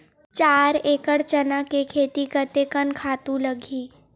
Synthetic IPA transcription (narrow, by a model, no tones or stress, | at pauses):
t͡ʃaːɾeːkəɽt͡ʃənakekʰeːt̪ikət̪ekənkʰaːt̪ũləɡʱiː